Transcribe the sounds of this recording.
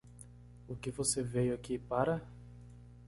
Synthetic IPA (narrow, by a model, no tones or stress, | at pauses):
ʊkɪvosevejakipaɾɐ